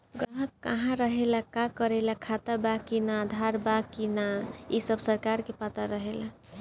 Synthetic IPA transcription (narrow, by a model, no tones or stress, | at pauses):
ɡɾəɦəkːəɦãɾəɦelakakəɾelakʰat̪abakinaːd̪ʱaɾbakinaisəbsəɾkaɾkepat̪əɾəɦela̰